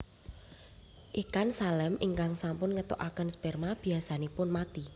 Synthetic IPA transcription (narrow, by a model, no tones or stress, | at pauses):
ʔikansalɛmʔɪŋkaŋsampʊnŋət̪o̰ʔakənspɛrmab̥iasanipʊnmat̪i